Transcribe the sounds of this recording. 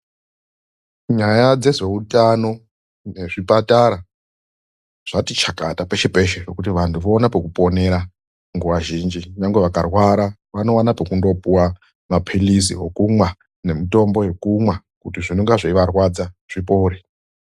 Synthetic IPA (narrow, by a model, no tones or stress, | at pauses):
ɲajad͡ze̞ze̞utano̞ | ne̞ʐipataɾa | ʐ̥atit͡ʃakatape̞ʃe̞pe̞ʃerokutiʋantʰuʋo̞ːnapekupo̞ne̞ɾa | ŋɡuʋaʒind͡ʒiʋaŋɡweʋakarwaɾaʋano̞wanapekundo̞puwa | mapʰilisḭɦokumwa | ne̞mito̞mbo̞jekumwa | kutiʐinoŋɡaʐaiʋarwad͡zaʐ̥ipouɾe